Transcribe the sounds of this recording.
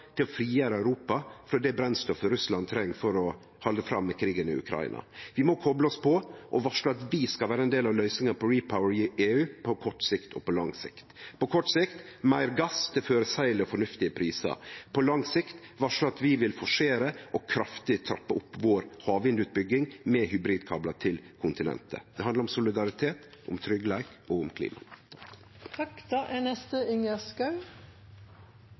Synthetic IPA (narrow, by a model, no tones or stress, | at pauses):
t̪ʰɪlɔfɾiːjæːɾəæʉɾuːpɑfɾɔd̪ɛbɾɛnst̪ɔfɾʉslɑnt̪ʰɾɛŋːfɔɾɔ | hɑld̪əfɾɑ̰mːɛkʰɾiːɡənɪ̰ʉ̰kʰɾɑ̰ɪ̰nɑ̰ʋɪmɔkʰɔbləɔspʰɔʔɔʋɑʂəɑt̪ʋɪskɑʋæːɾəɛnd̪eːlɑʋlœʏsnɪŋɑpʰɔɾiːpʰaʊəɾɪeːʉːpʰɔkʰɔʈːsɪkt̪ʰɔ̰pɔlɑŋsɪ̰kt̪pɔkʰɔʈːsɪkt̪mæɪɾɡɑst̪ʰɪføːɾəsæɪlɛɔfɔɳʉft̪ɪəpʰɾiːsə̰pʰɔlɑŋsɪkt̪ʋɑʂɔɑt̪ʋɪʋɪlfɔʂeːɾəʔɔkʰɾɑft̪ɪt̪ʰɾɑpːəʊpːʋoːɾhɑːʋɪnd̪ʉːt̪̚bʏɡːɪŋmɛːhʏbɾiːd̪kʰɑːblɑt̪ʰɪlkʰʊnt̪ɪnɛ̰nt̪ʰə̰d̪̥ɛhɑnd̪əɾʊmsʊlɪd̪ɑɾɪt̪ʰeːt̪ʔʊ̰mt̪ʰɾʏɡəlæɪkɔʊmkʰlḭːmɑ̰ | ɑkd̪ɑʔɛnɛst̪əɪŋəskɑʉ